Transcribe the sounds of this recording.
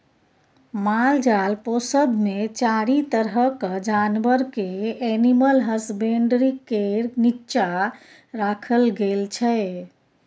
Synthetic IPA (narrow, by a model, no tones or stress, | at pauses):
mald͡ʒalposəd̪ʱmet͡ʃaɽit̪əɾɦəkəd͡ʒanbəɾkeɛniməlɦəsbeɳɖɾikeɾnit͡ʃa | ɾakʰəlɡelt͡ʃʰɛ